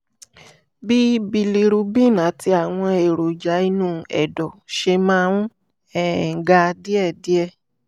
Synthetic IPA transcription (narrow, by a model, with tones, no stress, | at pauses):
bi˦bi˧li˧ɾu˧bi˦˨nã˨˦ti˧˦a˨w̃ɔ̃˧e˨ɾo˨d͡ʒa˨˦i˧nũː˦˨ɛ̰˨dɔ˨ʃe˧mã˦ũ˦ | ɛ˦˨ŋ̩˨ɡa˧di˦ɛ˦˨di˦ɛ˧˨